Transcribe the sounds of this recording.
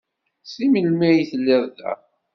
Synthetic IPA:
siməlmæjθəlːɪðˤðæ̰

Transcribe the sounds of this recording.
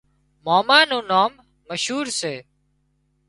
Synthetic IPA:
moːmaːnõːnaːmː | əʃɦuːɾseː

